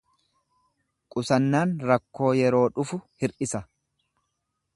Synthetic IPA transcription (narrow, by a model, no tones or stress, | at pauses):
kʼʊsɐnːaːnɾɐkːo̞ːjɛɾo̞ːᶑʊfʊhɪɾʔɪsɐ